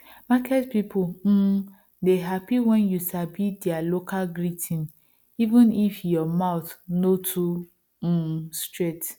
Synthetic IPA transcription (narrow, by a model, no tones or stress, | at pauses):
makɛtpipʊm̩ | deɦapiwɛnjusabidealokalɡɾitʰĩn | ivũnifjɔmaʊt̪notʰu | stɹet